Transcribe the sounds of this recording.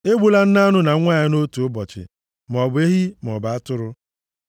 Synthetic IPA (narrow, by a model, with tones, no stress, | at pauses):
e˦ɡ͡bu˦la˦n̩˦na˦nʊ˦na˨˦ŋʷa˦˨ɲɪ˦no˦tu˨ʊ˦bɔ˨t͡ʃɪ̰˨ | m˨ɔ˨be˦ɦi˦m˨ɔ˨ba˨a˦tʊ˦ɾʊ˦